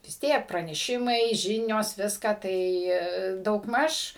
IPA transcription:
ʋʲɪs ˈtʲiɛk prɐnʲɛˈʃʲɪmɐɪ ˈʒʲɪnʲoːs ˈʋʲɪskɑː ˈtɐɪ dɐʊɡˈmɐʃ

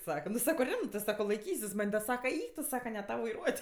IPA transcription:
ˈsɑːkɐ nʊ ˈsɑːkoː ˈrʲɪmtɜs ˈsɑːkoː lˠɐɪˈkʲiːsʲɪs mɐnʲ dɐ ˈsɑːkɐ ˈɛɪk tʊ ˈsɑːkɐ nʲɛ ˈtɐʊ ʋɐɪˈruɔtʲ

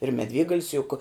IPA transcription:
ɪr mʲɛˈdʲʋʲeːɡɐlʲɪs jʊk

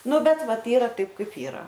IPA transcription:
ˈnʊ ˈbʲɛt ˈʋɐt ˈiːrɐ ˈtɐɪp ˈkɐɪp ˈiːrɐ

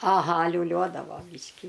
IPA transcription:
ɐˈɣɐ lʲuːˈlʲuɔdɐʋoː ˈbʲiːʃʲkʲɪ

